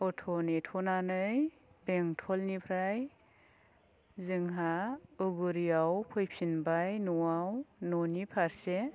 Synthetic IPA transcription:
ɔtʰɔnetʰɔnanɯj | peŋtʰɔlnipʰɾaj | zɯŋɦauɡuɾijawpʰɔjpʰinbajnuwawnɔnipʰaɾse

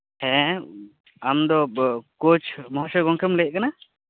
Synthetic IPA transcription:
hɛ̃ | amd̪ɔkot͡ʃʰmɔɦɔsɛɡɔŋkʰɛmlɛʔ̚kana

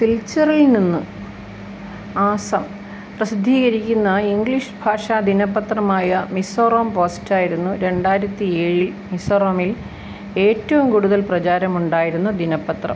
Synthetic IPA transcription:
silt͡ɕːɐrilninːɨ | aːsɐm | prɐsid̪ʱːiːɣɐɾikʲːunːɐiŋɡliʂbʱaːʂɐd̪inɐpːɐt̪rɐmaːjɐmisoːroːmpoːstaːjiɾunːuɾe̞ɳɖaːjiɾɐt̪ːie̞ːɻil | misoːroːmil | e̞ːtːɐʋumkuɽuðɐlprɐt͡ɕaːɾɐmuɳɖaːjiɾunːud̪ʱinɐpːɐt̪rɐ̰m

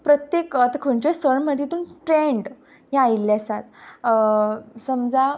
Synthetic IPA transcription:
pɾət̪jekət̪əkʰoɳt͡ɕesəɳm̤əʈ̪it̪uːnʈɾeɳɖ | jãailːasat̪ | səmd͡za

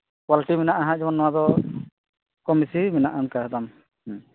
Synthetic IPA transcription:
kwaliʈimɛnaʔaɦãd͡ʒɔbanːɔwad̪ɔ | kɔmisimɛnaʔankaɔd̪am

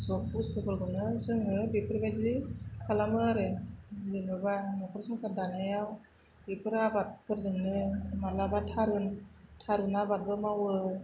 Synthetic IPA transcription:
sɔk̚bustʰɯpʰɯɾɡɯnɯzɯŋɯbepʰɯɾbazikʰalamɯɾɯzɯnɯbanɔkʰɯɾsɔŋsadanajaw | bipʰɯɾabat̚pʰɯɾzɯŋnɯmalabatʰaɾɯntʰaɾɯnabat̚bɯmawɯ

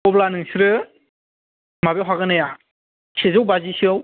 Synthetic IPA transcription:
ɔblanɯŋsiɾɯ | mabeɦaɡɯnaja | sezɯwbazisɯw

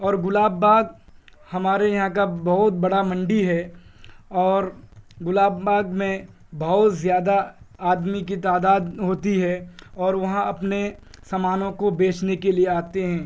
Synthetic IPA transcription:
ɔːɾɡʊlaːbːaːɡhɐmaːɾejɐɦãk̬abɐɦʊt̪̚bɐɽamɐ̃ɳɖiɦɛ | ɔːɾɡʊlaːbbaːɡmẽ | bɐɦʊt̪zjaːd̪aaːd̪mikit̪aːd̪aːd̪ɦoːt̪iɦɛɔːɾʋɐɦãɐpnesɐmaːnõkobeːt͡ʃnekelieaːt̪eɦɛ̃ː

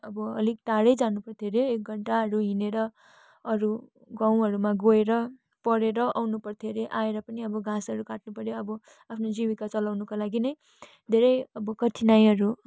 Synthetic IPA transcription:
ʌbʌʌ̰lik̚ʈaɽʌjd͡zanupʌrt̪ʰioɾeːk̚ɡʱʌɳʈaɦʌɾuɦineɾʌ | ʌɾu | ɡaw̃ɦʌɾumaɡoeɾʌ | pʌɾeɾʌʔawnupʌrt̪ʰioɾeʔaeɾʌpʌniʌbʌɡʱãsʌɾukaʈnupʌɾjoʌbʌ | apʰnod͡ziwikat͡sʌlawnukalaɡinʌj | d̪ʱeɾʌjʌbʌkʌʈʰinajɦʌɾu

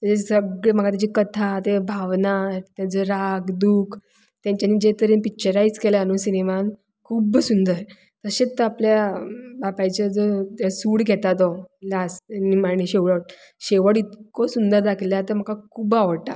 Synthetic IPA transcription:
t̪ad͡ʑesəɡɭem̤əkat̪jat͡ɕikət̪ʰat̪ebʱaʋnat̪jad͡zɔɾakd̪uːk | t̪jãɲt͡ɕaniːd͡ʑet̪əɾẽnpik̚t͡ɕəɾajd͡zkeljanũsineman | kʰuːbsund̪əɾ | t̪əɕet͡st̪əapljabapajt͡ɕad͡zɔt̪asuːɽɡʱet̪at̪ɔlasnimaɳĩɕeʋɭəʈ̚ | ɕeʋəɽit̪kosund̪əɾd̪akʰljat̪əm̤əkakʰubaʋəʈa

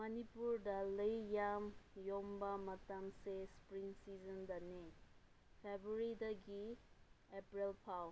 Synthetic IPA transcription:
mɐnipuɾdaləjjamjɔmbamɐtamsespɾiŋsizəndane | pʰebɾuɾidɐɡi | epɾilpʰaw

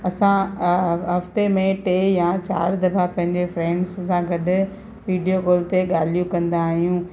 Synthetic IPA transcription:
ɐsã | ɦɐft̪emẽʈeːjãt͡ɕa̰ːɾd̪ɐfapɐ̃ɦɪ̃ɲd͡ʑefɾɛ̃ːɳɖssãɡɐɗʊ̆ | ʋiːɖijoɡoːlt̪eɠaːlijũkɐ̃nd̪aːɦijũː

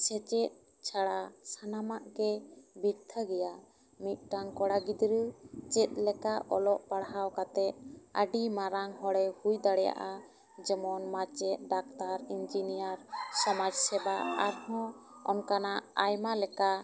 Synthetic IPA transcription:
sɛt͡ʃɛt̪̚ | t͡ʃʰaɽasanamaʔkɛbiɾt̪ʰəɡɛja | mit̪̚ˀʈaŋkɔɽaɡid̪ɾət͡ʃɛt̪̚ˀlɛkaʔɔlɔʔpaɽɦawkat̪ɛt̪̚ə̰ɖimaɾaŋɦɔɽɛhujd̪aɽɛja̰ʔa | d͡ʒɔmɔnmat͡ʃɛt̪̚ɖak̚t̪aɾind͡ʒinijaɾsɔmad͡ʒsɛbaaɾhɔ̃ | ɔnkanaʔajmalɛka

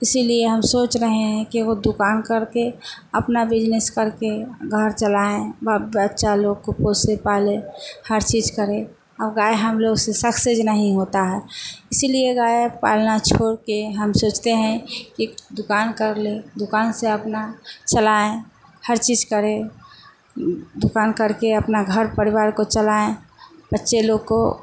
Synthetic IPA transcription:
ɪsilieɦəmsoːt͡ʃɾəɦẽɦɛ̃kiod̪ʊkaːnkəɾke | əpnabɪd͡ʒneskəɾkeɡʱəɾt͡ʃəlaːẽbaətːʃʰaloːɡ̚koposepaːlẽhəɾt͡ʃiːd͡ʒkəɾẽ | ɔːɡaːeɦəmloːɡsesəksed͡ʒnəɦĩɦoːt̪aɦɛːɪsilieɡaːepa̰ːlnat͡ʃʰoːɾkeɦəmsoːt͡ʃt̪eɦɛ̃kid̪ʊkaːnkəɾled̪ʊkaːnseəpnat͡ʃəlaẽhəɾt͡ʃiːd͡ʒkəɾẽ | d̪ʊkaːnkəɾkeəpnaɡʱəɾpəɾɪwaːɾkot͡ʃəlaẽbətːʃʰeloɡ̚ko

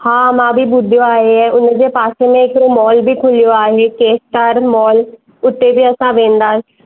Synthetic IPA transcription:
hãːmãːbʱibʊd̪ʱjoaːɦeɛʊnəd͡ʑeːpaːsemẽɪkɾoːmɔːlbʱiːkʰʊlijoaːɦeːkeːsʈaːɾmɔːl | ʊʈ̪ːebʱiːəsãʋẽːnd̪ḁː

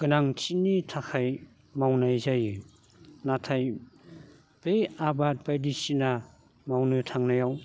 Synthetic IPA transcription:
ɡ̥ɯnaŋt͡ʃinitʰakʰaj | mawnajzaj | natʰaj | b̥eabat̚bajdisina | mawnɯtʰaŋnajaw

